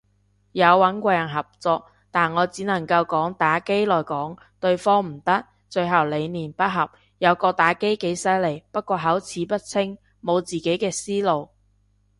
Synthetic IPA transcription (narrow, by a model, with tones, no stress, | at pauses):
jɐ˨˧wːɐ˨˥nkʷɔː˧jɐ˨˩nɦɐ˨p̚t͡sɔː˧k̚ | t̪aː˨nŋɔː˨˧t͡siː˨˥nɐ˨˩ŋkɐ˧wkɔː˨˥ŋt̪aː˨˥ke˥jlɔː˨˩jkɔː˨˥ŋ | t̪ɵ˧ɥfɔː˥ŋm̩˨˩t̪ɐ˥k̚ | t͡ʃɵ˧ɥɦɐ˨˩wle˨˧jniː˨˩npɐ˥t̚ɦɐ˨p̚ | jɐ˨˧wkɔː˧t̪aː˨˥ke˥jke˨˥jsɐ˥jle˨˩jpɐ˥t̚kʷɔː˧ɦɐ˨˥wt͡sʰiː˨˥pɐ˥t̚t͡sʰɪ˥ŋ | mo˨˧wt͡siː˨˩ke˨˥jkɛː˧siː˥lo˨˧w